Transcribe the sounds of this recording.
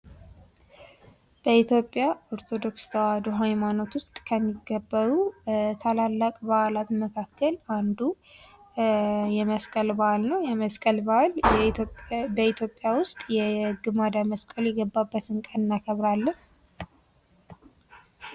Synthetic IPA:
b̥əit̪jo̞pʼːjaoɾt̪ʰo̞d̪o̞kst̪ʰəwad̪oɦajmano̞t̪wʊst̪ʼkʰəmːiɡːəbːəɾut̪ʰalalːakʼbaʔalat̪məkʰakʰːəland̪u | jɛməskʼəlbaʔalnəwjɛməskʼəlbal | bit̪jopʼːjawʊst̪ʼjɛɡɨmad̪aməskʼəljɛɡəbːabːət̪ɨnkʼənnːakʰəβɾalːəh

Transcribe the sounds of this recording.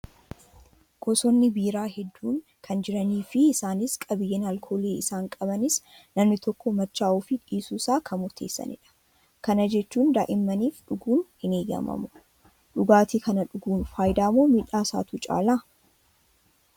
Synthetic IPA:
ɡ̥ɔsɔnːɪbiːɾaːɦɛd̪ːuːŋ | kʰɐnd͡ʒɪɾɐniːfɪːsaːnɪskʼɐbɪjeːnɐlkʰoːleːɪsaːŋkʼɐbɐnɪs | nɐmnɪt̪ɔkːɔmɐt͡ʃːaːʔuːfɪᶑiːsuːsaːkʰɐmʊɾt̪ʰeːsːɐ̰nɪ̰ᶑɐ̥ | kɐnɐd͡ʒɛt͡ʃːuːnd̪aːʔɪmːɐniːfᶑʊɡuːnhɪneːɡɐ̰mɐ̰mʊ | ᶑʊɡaːt̪ikʰɐnɐᶑʊɡuːnfaːjd̪aːmoːmiːᶑaːsa̰ːt̪ut͡ʃʼa̰ːlaː

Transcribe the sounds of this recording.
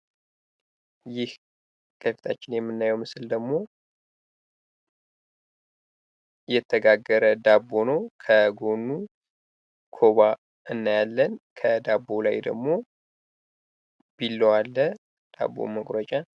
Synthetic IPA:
jɪh | kʰəfit̪ʰat͡ʃːɪnjɛmːɨnːajɛwmɨsɨld̪əɡmo̞ | jɛt̪ʰːəɡaɡːəɾəd̪abːo̞nokʰəɡo̞nːu | kʰo̞βa | ʔɨnːajalːənkʰəd̪abːo̞la̰jd̪ə̰ɡmo̞ | b̥ilːəwalːə | d̪̥a̰bːo̰məkʼɾət͡ʃʼa

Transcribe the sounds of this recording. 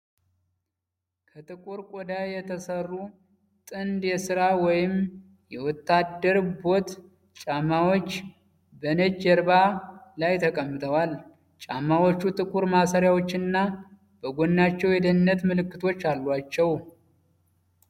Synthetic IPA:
kʰət̪ʼɨkʼuɾkʼod̪ajjɛt̪ʰəsərːu | t̪ʼɨnd̪jɛsɨɾawɔjɪm | jɛwɔt̪ːad̪ːəɾbo̞t̪ | t͡ʃʼamːawo̞t͡ʃː | bənəd͡ʒːɛɾbalajt̪ʰəkʼəmːɨt̪ʰəwal | t͡ʃʼamːawot͡ʃːut̪ʼɨkʼuɾmasəɾjawo̞t͡ʃːɪnːa | bəɡonːat͡ʃːɛwjɛd̪ənːət̪mɨlɨkːɨt̪ʰo̞t͡ʃːalːwat͡ʃːɛw

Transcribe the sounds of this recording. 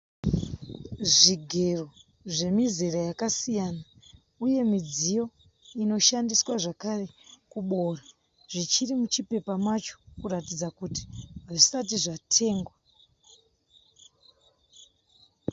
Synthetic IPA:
ʐiɡʱe̞ro̞ | ʐe̞mizeɾajakasijana | uje̞mid͡zijo̞ | ino̞ʃandiswaʐakare̞kuɓo̞ːra | ʐit͡ʃirimut͡ʃipe̞pamat͡ʃo̥kuɾatid͡zakuti̥aʐisatiʐatʰe̞ːŋɡwa

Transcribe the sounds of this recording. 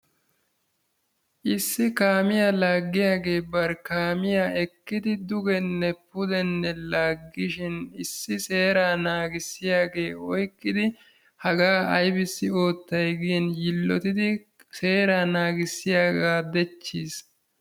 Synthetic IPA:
ʔɪsːɪkaːmɪjalaːɡːɪjaːɡe̞ːbɐɾkaːmɪjaɛkːɪd̪ɪd̪ʊɡɛnːɛpʊd̪ɛnːɛlaːɡːɪʃɪnɪsːɪse̞ːɾaːnaːɡɪsːɪjaːɡe̞ːɔjkːɪd̪ɪ | hɐɡaːʔɐjbɪsːɪo̞ːt̪ːɐjɡɪjɛnjɪlːɔt̪ɪd̪ɪ | se̞ːɾaːnaːɡɪsːɪjaːɡaːd̪ɛt͡ʃːiːs

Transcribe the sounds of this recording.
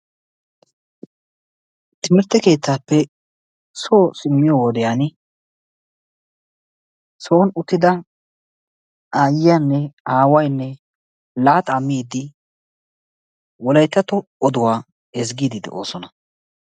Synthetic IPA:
t̪ɪmɪɾt̪ːɛke̞ːt̪ːaːpːɛ | soːsɪmːɪjɔwɔd̪ɛjan | soːnʊt̪ːɪd̪ɐ | aːjɪjanːɛaːwɐjnːɛ | laːt̪ɐmːiːd̪ɪ | wɔlɐjt̪ːɐt̪ɔːd̪ʊwaː | ɛzɡiːd̪ɪd̪ɛ̰ʔo̞̰ːsɔnɐ

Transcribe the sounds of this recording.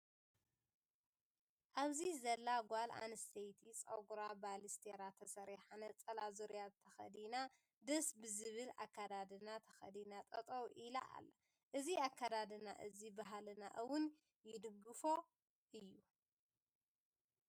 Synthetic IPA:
ʔaβzizɐlːaɡʷalʔa̰nɨst̪ʰɐjt̪ʰit͡sʼɐɡuɾabalist̪ʰeɾat̪ʰɐsɐɾiħanɐt͡sʼɐlazoɾjat̪ʰɐxɐ̰d̪ina | d̪ɐsbɨzɨβɨla̰kʰːad̪ad̪ɨnat̪ʰɐ̥xɐ̰d̪inat̪ʼɐt̪ʼowʔila̰ʔa̰lːɐ | ʔɨziakʰːad̪ad̪ɨna̰ʔɨzibaɦalɨna̰ʔɨwʊn | jɪd̪ɨɡɨfo̞ | ʔɨjːu

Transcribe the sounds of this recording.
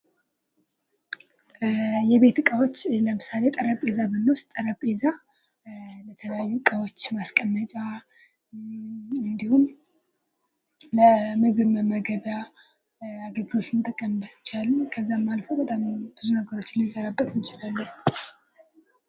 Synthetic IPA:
jɛβe̞t̪kʼəwo̞t͡ʃːləmɨsale̞t̪ʼəɾəpʼe̞zabɨnːəwst̪ʼəɾəpʼeza | lət̪ʰələjajːukʼəwo̞t͡ʃːmaskʼəmːət͡ʃʼa | ɨnd̪ihum | ləmɨɡɨβməməɡəβja | aɡəlɡɨlo̞t͡ʃːɨmt̪ʼɨkʼːəmmbəst͡ʃːalːukʰəzːamːalfowbət̪ʼamb̥ɨzunəɡəɾo̞t͡ʃːɪlzəɾabːət̪ʰnt͡ʃɪlalːəh

